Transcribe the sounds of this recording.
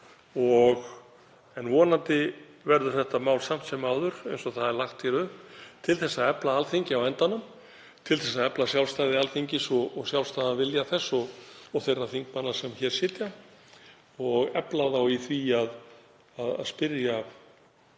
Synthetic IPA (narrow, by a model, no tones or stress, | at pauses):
ɔɣ | ɛnvɔːnant̪ɪ | vɛɾðʏɾ̥θɛht̪amaːwlsam̥t̪sɛmawðʏɾejnsɔθaðɛɾlaxt̪fjɛɾʏhpt̪ʰɪlθɛsːaɛplaalθiɲcɪawɛnt̪anːʏm | t̪ʰɪlθɛsːaɛplasjawlst̪ajðɪalθiɲcɪsɔːɣsjawlst̪ajðavɪljaθɛsːɔɔθejrːaθiŋk̚manːasɛmçɛɾ̥sɪːt̪ja | ɔɣɛplaθawiθviað | aða̰ðspɪɾja